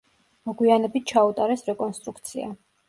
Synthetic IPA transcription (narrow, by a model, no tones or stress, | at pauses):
mɔɡwianɛbit̪̚ʰt͡ʃʰaut̪ʼaɾɛsɾɛkʼɔnst̪ʼɾukʰt̪sʰia̰